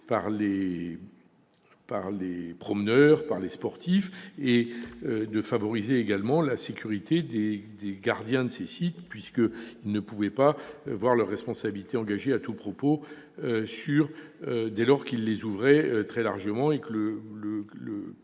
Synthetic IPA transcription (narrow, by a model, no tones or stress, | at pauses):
paʁle | paʁlepχɔmənœʁpaʁlespɔʁt̪ifeød̪əfavɔʁizeːɡalmɑ̃lasekʲyʁit̪ed̪ed̪eɡaʁd̪jɛ̃d̪əsesit̪pɥiskəilnəpuvɛpavwaʁlœʁːɛspɔ̃sabilit̪eɑ̃ɡaʒeat̪upχɔpo | syʁød̪ɛlɔʁkilːezuvʁɛøt̪χɛlaʁʒəmɑ̃ekələlələ